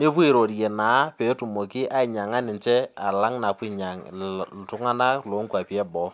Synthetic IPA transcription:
ne˦pu˦i˨ɾo˨ɾje˨na˨˦pe˨˦tu˨mo˨kɪ˦ʔa˦ɪ˨ɲa˨ŋa˦nɪ˨nt͡ʃɛ˦a˨la˦ŋna˨pɪ˦ɲa˨ŋ˨tʊ˦ŋa˦na˦klo˨˦ŋkwa˨pi˦ɛ˦bɔ˨˦

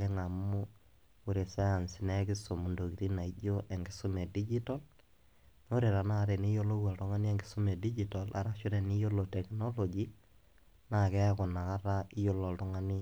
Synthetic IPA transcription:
le˦ŋa˨mu˦ | u˨ɾe˨se˦a˨nsɪ˨nɛ˦kɪ˦so˨mu˨ndo˨ki˨ɾi˦na˨i˦d͡ʒo˦ʔe˨ŋɡɪ˦su˦me˨di˦d͡ʒi˦tɔ˦l | no˦ɾe˨ɾa˨na˦˨ɾe˨ni˦jo˦lo˦wɔ˨ltɔ˦ŋa˦ni˦ɛ˦ŋɡɪ˨˦su˦me˨di˦d͡ʒi˨to˨lʔa̰˨ɾa˦ʃu˦ɾe˨ni˦jo˦lo˨te˨kno˦lo˨d͡ʒi˦ | na˦˨kɛ˦kʊ˨na˨ka˦ɾa˦i˦jo˦lɔ˨ltɔ˦ŋa˦ni˦

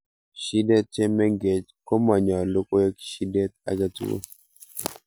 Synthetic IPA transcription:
ʃi˦dɛ˦t̚t͡ʃɛ˦mɛ˦ŋɡe˨d͡ʒkɔ˦ma˨ɲɔ˨lo˦ko˦jɔ˦kʃi˦dɛ˦t̪̚a̰˨ka˦tṵ˦wo̰˦

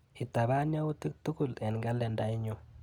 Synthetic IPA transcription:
i˨ta˨ba˦ɲa˦u˦ti˦k̚tu˦ku˨lɛ˨nŋɡa˦lɛ˨nda˨i˦ɲo˦

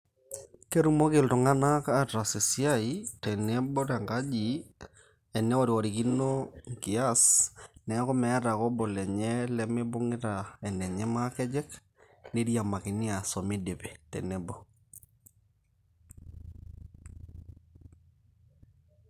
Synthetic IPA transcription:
kɛ˦ɾu˨mɔ˦kɪ˨ltʊ˨ŋa˦na˦ka˨ta˨si˨sɪ˦a˦i˨tɛ˨nɛ˦bɔ˦ta˨ŋɡa˦d͡ʒi˨ | ɛ˨nɛ˦ɔ˦˨ɾɪ˨ɔ˨ɾi˨ki˦nɔ˦ŋkɪ˨a˦snɛ˨˦kɔ˦mɛ˦ɾa˨kɔ˦bɔ˨lɛ˨ɲɛ˦lɛ˦mɪ˦bʊ˦ŋɪ˦ɾa˨ɛ˨nɛ˨ɲɛ˦ma˦kɛ˦d͡ʒɛ˦k | ne˦ɾja˨ma˨kɪ˨nɪ˦a˨sɔ˨mɪ˦de˨pɛ˨tɛ̰˨nɛ˦bɔ˨

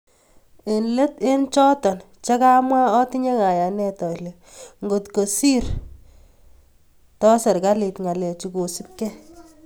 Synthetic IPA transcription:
e˨nle˦te˦nt͡ʃɔ˦tɔ˨n | t͡ʃe˦ka˦mwa˦ɔ˦ti˦ɲe˦ŋa˨ja˨nɛ˦tɔ˨le˨ | ŋɡo˨tko˨si˦ɾ | tɔ˦sɛ˨ɾka˦li˨tŋa˨lɛ˨t͡ʃi˨ko˨si˦p̚kɛ˦

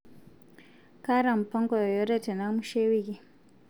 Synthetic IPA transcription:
kaː˦ɾɐ˨mpɐ˦ŋɡɔ˨jjo˦da˦ti˨na˦mu˦ʃe˦wi˦kʲi˦

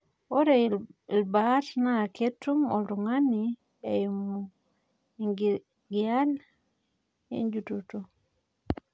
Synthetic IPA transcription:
o˦ɾe˨lba˦tna˦˨ke˦tu˦mɔ˨lɾu˨ŋa˦ni | emu˨ | ɡɪa˦n | ḛ˦ɲd͡ʒu˨to˨to˨

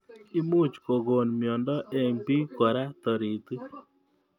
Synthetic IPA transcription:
i˦mu˦˨t͡ʃko˨ɡo˨nmjɔ˨ndɔ˦ʔɛ˦˨mbi˦kɔ˨ɾa˦t̪ɔ˨ɾi˨t̪i˦

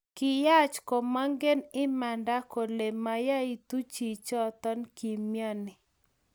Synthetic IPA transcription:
kɪ˨ja˦t͡ʃko˨ma˦ŋɡe˦nɪ˦mɛ˨nda˦ko˨le˨ma˨ja˦i˨t̪u˦t͡ʃi˨t͡ʃɔ˦t̪ɔ˦nki˨mja˦nɪ˨

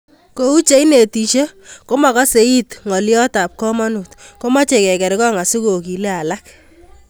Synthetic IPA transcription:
ko˦u˦t͡ʃe˦i˦ne˨ti˨ʃe˦ko˦ma˨ka˦se˨i˦tŋɔ˨ljɔ˦ta˨p̚kɔ˦ma˦nu˨tko˦ma˦t͡ʃe˨kɛ˨kɛ˨ɾɪkɔ˦ŋa˨su˦ko˨ki˨le˦a˨la˦k

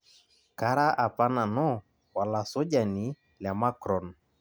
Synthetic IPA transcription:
ka˦ɾa˦ʔa˨pa˦na˨nɔ˦˨ | wa˨la˨so˦d͡ʒa˨nɪ˨˦ | lja˨ma˦kɾɔ˨n

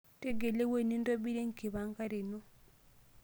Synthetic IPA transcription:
tʼe˦ɡe˨le˦we˨ni˦ndo˦bi˦ɾe˦ŋ̩˨ki˨βa˦ŋɡa˦ɾe˨no˦

